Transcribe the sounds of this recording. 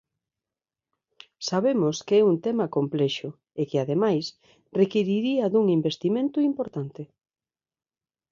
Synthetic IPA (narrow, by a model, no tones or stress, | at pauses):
saβemʊskeɛunt̪ɛmakomplɛʃʊ | ekɪaðemajs | rekiɾiɾiɐðuŋimbest̪imẽnt̪ʊimpoɾt̪ant̪ɪ